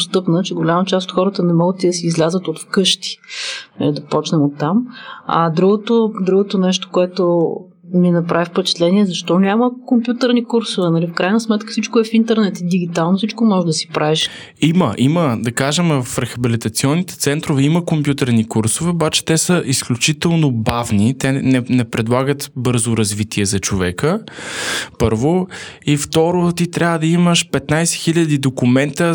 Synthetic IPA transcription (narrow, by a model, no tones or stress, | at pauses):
st̪ɤpnət͡ʃɛɡolʲamət͡ʃast̪ot̪xɔɾət̪ənɛmɔɡət̪ːid̪əsiːzlʲazət̪ot̪fkɤʃt̪i̥nɐ̰lid̪ɐpɔt͡ʃnɛmot̪ːamɐ̰d̪ɾuɡot̪od̪ɾuɡot̪onɛʃt̪o̥koɛt̪o | minɐpɾavifpɛt͡ʃɛ̥t̪lɛniɛzɐʃt̪ɔnʲaməkompjut̪əɾnikuɾsovɛnɐlifkɾajnəsmɛt̪kə̥sit͡ʃkoɛfint̪ɛɾnɛt̪id̪iɡ̟it̪alˠnosit͡ʃkomɔʒɛd̪ɐsi̥pɾʔaɛʃ | iməʔiməd̪ɐkaʒɛmfɾɛxɐbilit̪ɐt̪siɔnːit̪ɛ̥t̪sɛnt̪ɾovɛiməkompʲjut̪ɛɾnikuɾsʊvɛobat͡ʃɛ̥t̪ɛsəʔisklʲut͡ʃit̪ɛlˠnobavnit̪ɛnɛnɛpɾɛd̪lˠaɡət̪bɤɾzʊɾɐzvit̪ʰiɛzɐt͡ʃovɛkə | pɤɾvoift̪ɔɾot̪it̪ɾʲʔavvəd̪ɐiməʃpɛt̪najsɛ̥xilʲəd̪id̪okumɛnt̪ə